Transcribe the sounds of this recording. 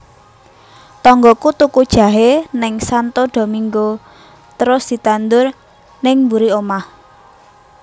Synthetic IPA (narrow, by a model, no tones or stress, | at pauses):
t̪ɔŋɡɔkut̪ukud̥ʒ̥ä̤ɦenɪŋsant̪oɖ̪̥o̤miŋɡo | t̪əɾʊsd̪̥i̤t̪and̪ʊr | nɪŋmbuɾiomah